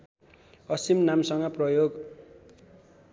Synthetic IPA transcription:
ʌsimnamsʌŋɡʌprʌjoɡ

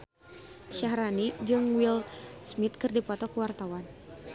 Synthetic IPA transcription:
ʃaɦɾanid͡ʒɨŋwilsmit̪̚kɨrdipɔt̪ɔkəwart̪awan

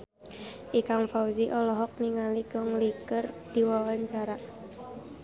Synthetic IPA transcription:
ʔikaŋfauziʔɔlɔɦɔk̚niŋaliɡ̥ɔŋlikərd̥iwawaɲt͡ʃaɾa

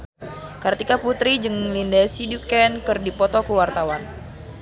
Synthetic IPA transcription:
kart̪ikaput̪ɾid͡ʒɨŋlindɛsidukɛnkɨrdipɔt̪ɔkuwart̪awan

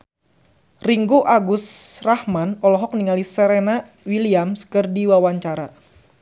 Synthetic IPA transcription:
riŋɡuʔaɡʊsrahmanɔlɔɦɔk̚niŋalisəɾena | wiliamskɨrdiwawaɲt͡ʃaɾa

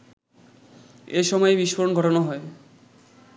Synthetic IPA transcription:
eʃɔmɔebiʃwoɾonɡʱɔʈʰonoɦɔe

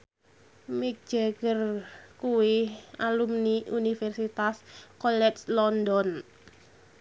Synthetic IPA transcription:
mik̚d̥ʒ̥aɡərkuwɪalumniʔunifɛrsit̪askɔlɛslɔndɔn

